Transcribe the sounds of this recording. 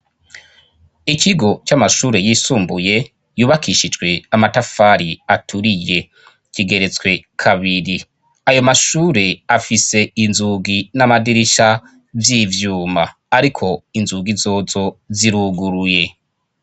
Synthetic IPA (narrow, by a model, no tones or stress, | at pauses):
ikʰiɡo̞t͡ʃamaʃuːɾe̞jiːsuːmbuje̞ | juːβakʰiʃid͡ʒɡwe̞amatafaɾiatʰuɾije̞ | kiɡe̞ɾe̞t͡swe̞kʰaβiɾi | ajo̞maʃuːɾe̞afise̞inzuːɡinamadiɾiʃa | vjiːvjuːmaː | ɾikʰo̞inzuɡizo̞ːzo̞ziɾuɡuɾuje̞